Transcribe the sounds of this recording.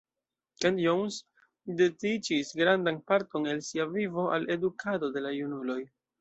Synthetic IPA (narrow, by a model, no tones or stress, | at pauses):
kentjowns | dedid͡ʒisɡɾandanpaɾto̞ne̞lsiavivo̞ʔale̞dukʰado̞de̞lajunulo̞j